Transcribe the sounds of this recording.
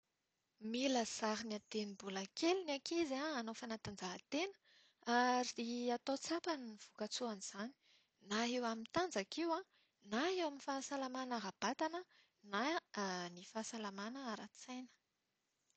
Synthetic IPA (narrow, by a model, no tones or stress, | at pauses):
milaz̥aɾiniat̪enibulakʰeliniakizaanofanat̪and͡zaɦat̪enə̥ | aɾiiat̪ot͡sapanniv̥ukat͡suaniz̥ani̥ | naɦewamint̪and͡zakiwã | naɦewaminfasalamanaɾab̥at̪anə | nanifaːsalamanəaɾat͡sajnə̥